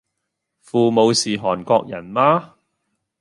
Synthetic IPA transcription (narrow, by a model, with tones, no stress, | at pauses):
fuː˨mo˨˧wsiː˨ɦɔː˨˩nkɔː˧k̚jɐ˨˩nmaː˧